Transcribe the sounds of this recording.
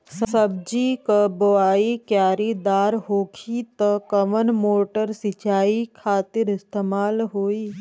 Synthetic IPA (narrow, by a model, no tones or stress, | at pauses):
ssɐb̚d͡ʒikəboaːikjaːɾid̪aːɾɦoːkʰit̪əkɐʋənmoːʈəɾsɪt͡ʃaːikʰaːt̪ɪɾɪst̪eːmaːlɦoːiː